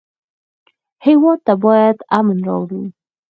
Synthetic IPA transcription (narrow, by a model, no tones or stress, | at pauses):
hewɔt̪ːabɑjad̪amənɾɑ̰wɽu